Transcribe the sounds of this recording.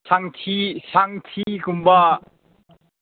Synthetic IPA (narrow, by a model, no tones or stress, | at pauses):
saŋt̪ʰisaŋt̪ʰikumba